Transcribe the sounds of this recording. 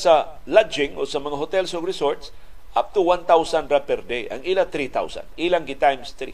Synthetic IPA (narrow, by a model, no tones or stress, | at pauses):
salad͡ʒɪ̃ŋosamɐŋaɦʊt̪ɛlsoɡɾɪsoɹt̪s | ʔap̚t̪uwãnt̪awsanɾapɛɾd̪eʔa̰ŋilat̪ɾit̪a̰wsa̰nʔiːlaŋɡɪt̪ajmst̪ɾḭ